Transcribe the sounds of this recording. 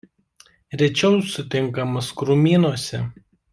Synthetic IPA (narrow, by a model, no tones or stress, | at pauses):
ɾʲɛt͡ʃʲɛʊsʊt̪ʲɪŋˑkɐmɐskɾʊmʲiːnuɔsʲɛ